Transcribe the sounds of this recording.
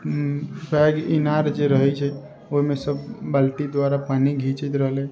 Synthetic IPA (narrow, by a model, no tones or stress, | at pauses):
pʰɛɡinaɾd͡ʒeɾəɦɛt͡ʃʰɛ | oɦimesəbːəlʈid̪ʋaɾapaniɡʱit͡ʃət̪ɾəɦlɛ